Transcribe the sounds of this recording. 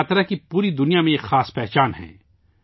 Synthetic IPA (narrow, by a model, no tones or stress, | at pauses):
aːt̪ɾakipuːɾid̪ʊnijamẽeːkxaːspɛːɦt͡ʃaːnɦɛ̰̃ː